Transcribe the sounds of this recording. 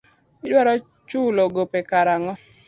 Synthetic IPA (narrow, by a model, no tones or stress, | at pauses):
ɪdwaɾɔ | t͡ʃuloɡopekaɾaŋɔ